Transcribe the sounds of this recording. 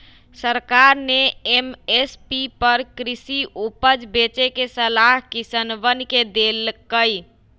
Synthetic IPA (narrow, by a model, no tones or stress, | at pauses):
səɾkaɾneemespipəɾkɾisiʔupəd͡ʒbet͡ʃekesəlaɦkisənʋənked̪elkəj